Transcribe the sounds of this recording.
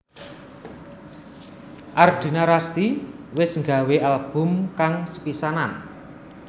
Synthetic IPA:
ʔard̪̥i̤naɾast̪iwɪsŋɡa̤weʔalb̥ʊ̤mkaŋsə̥pisanan

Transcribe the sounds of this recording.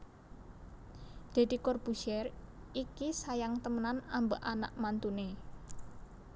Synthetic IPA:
d̪̥e̤d̪̥i̤kɔrb̥uʃɛrikisajaŋt̪əmənanambəʔana̰ʔmant̪une

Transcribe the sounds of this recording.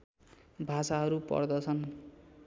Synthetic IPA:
bʱasaɦʌɾupʌ̰rd̪ʌt͡sʰʌn

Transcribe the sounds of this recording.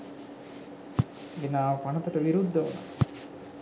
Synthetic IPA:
enaːʋɐpanɐt̪ɐʈəʋiɾud̪ːɐʋɐ̰n

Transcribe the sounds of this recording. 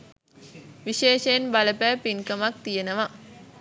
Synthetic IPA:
ʋiʃeːʃeːnbaləpæːpiŋkəmak̚t̪ijenəʋa

